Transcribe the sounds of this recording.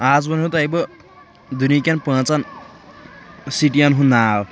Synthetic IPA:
ad͡zbʌnɦũt̪ejbʌ | d̪unikʲanpãːt͡san | siʈijanɦũnaːw

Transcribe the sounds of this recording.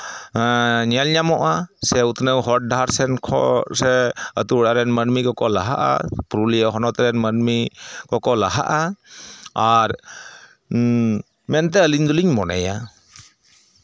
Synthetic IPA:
ɲalɲamɔʔasɛut̪nəwɦɔʈ̚daaɾsɛnkʰɔ̰sɛə̰t̪uɽaɾɛnmənmikɔkɔlaɦa̰ʔa̰pɾulijaɦɔnɔt̪aɾɛnmənmikɔkɔlaɦa̰ʔa | aɾ | mɛnt̪ɛəliɲd̪uliɲmɔnɛ̰ja

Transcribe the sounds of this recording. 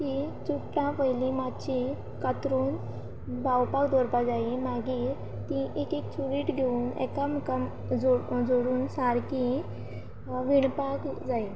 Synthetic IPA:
t̪it͡suʈːãpəjlimat̪t͡ɕi | kət̪ɾuːn | bʱawpakd̪ʱɔɾpad͡zaimaɡi | t̪ĩʔekekt͡suɽiːʈɡʱeuːnɛ̰kamkəm | d͡zod͡zoɽuːnsaɾkĩ | ʋiɳpakd͡zai

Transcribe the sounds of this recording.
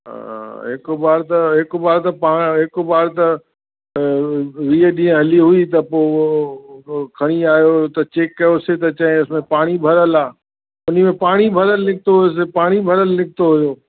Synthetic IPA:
ɦɪkobaːɾt̪ɐɦɪkobaːɾt̪ɐpaːɦɪkobaːɾt̪ɐ | ʋiːəɗĩɦẽɦɐliɦʊit̪̬ɐpoː | kʰɐɽ̃iaːjot̪ɐt͡ɕeːkːɐjoset̪ɐt͡ɕɐɦẽʊsmẽpaːɽ̃ibʱɐɾəlaː | ʊn̤imẽpaːɽ̃ibʱɐɾəlːɪk̚t̪oɦʊjos̬epaːɽ̃ibʱɐɾəlːɪk̚ʰt̪oɦʊjoː

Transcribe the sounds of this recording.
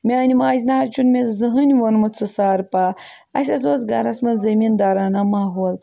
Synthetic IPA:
mʲenʲimaːzʲnaːɾt͡ʃʰunmʲezɨɦɨnʲʋonmɨt͡sɨsaːɾpaː | ɐs̬ʲɐzoːsɡɐɾɐsmɐnzɐmiːnd̪aːɾaːnamaːɦuːl

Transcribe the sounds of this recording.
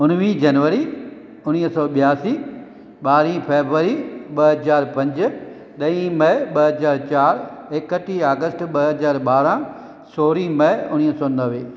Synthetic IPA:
ʊnʋĩd͡ʑɐnʋəɾi | ʊñiːɦsɔːɓijaːsi | ɓaːɾĩpeːbʋəɾiɓɐɦɐzaːɾpɐ̃ɲd͡ʑʊ | ɗɐĩmɐɦɓɐɦɐzaːɾt͡ɕaːɾekəʈiaːɡəsʈɓɐɦɐzaːɾɓaːɾã | soːɾimɐʊñiɦsɔːnɐʋeː

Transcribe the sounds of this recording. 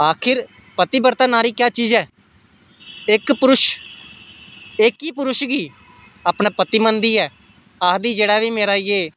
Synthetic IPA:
aːkʰɪɾ | pət̪iːbəɾt̪aːnaːɾiːkjaːt͡ʃiːzɛː | ɪkpʊɾʊʃ | ɪkːiːpʊɾʊʃɡiː | aːpnãːpət̪iːmənd̪iːɛː | aːd̪iːd͡ʒeːɽaːʋiːmeːɾaːijeː

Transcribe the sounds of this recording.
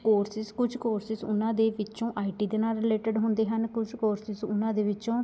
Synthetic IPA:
koːɾsɪskʊd͡ʒʰkoːɾsɪsʊnãːd̪eːʋɪt͡ʃõːʔaːiːʈiːd̪eːnaːlɾɪleːʈəɖɦʊnd̪eːɦənkʊd͡ʒkoːɾsɪzʊnãːd̪eːʋɪt͡ʃõː

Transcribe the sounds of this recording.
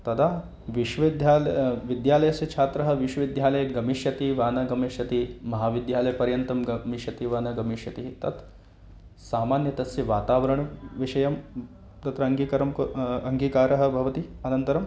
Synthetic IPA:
t̪ɐt̪ʰaː | ʋiʃʋɐʋid̪jaːlʋid̪jaːlɐjɐsjɐt͡ʃʰaːt̪ɾɐɦɐ̆ʋiʃwɐʋid̪ʱjaːlɐjɐɡɐmiʃjɐt̪iʋaːnɐɡɐmiʃjɐt̪imɐɦaːʋid̪jaːlɐjɐpɐɾjɐnt̪ɐmɡɐmiʃjɐt̪iʋaːnɐɡɐmiʃjɐt̪iɦt̪ɐt̪ | saːmaːnjɐt̪ɐsjɐʋaːt̪aːʋɐɾɐɳɐʋiʃɐjɐm | t̪ɐt̪ɾɐɐŋɡiːkɐɾɐmkɐŋɡiːkaːɾɐɦɐ̆bʱɐʋɐt̪iɐnɐnt̪ɐɾɐm

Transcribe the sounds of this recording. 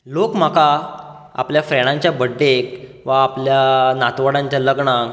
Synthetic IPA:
lokm̤aka | a̰pljafɾɛɽ̃ãɲt͡ɕjabəɖːek | ʋaːpljanat̪ʋaɽãɲt͡ɕjaləɡɳa

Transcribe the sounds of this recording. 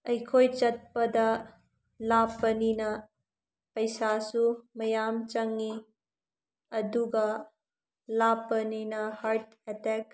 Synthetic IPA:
ɐjkʰojt͡ʃɐt̚pɐdɐ | lapːɐninɐ | pɐjsasumɐjamt͡ʃɐŋːi | ɐduɡɐ | lapːɐninɐhaɾt̚ | etɛk̚

